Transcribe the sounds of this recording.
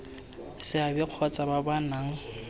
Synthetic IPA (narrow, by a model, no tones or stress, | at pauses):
sɪabɪq͡χʰɔt͡sʼababanaŋ̩